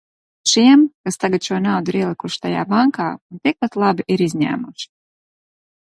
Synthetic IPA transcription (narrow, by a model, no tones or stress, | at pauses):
ʃiɛmkast̪aɡat̪ʃuɔnawd̪iɾiɛlˠikuʃt̪aja̰ːbaŋkaːunt̪ik̚pat̪lˠabiʔiɾizɲæ̰ːmuʃi̥